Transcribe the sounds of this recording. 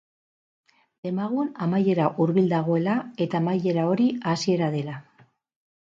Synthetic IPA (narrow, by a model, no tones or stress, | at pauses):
d̪̥e̞maɣ̞unamaje̞ɾaʔuɾβild̪aɣ̞o̞e̞lae̞t̪aːmaje̞ɾao̞ɾiasie̞ɾað̞e̞la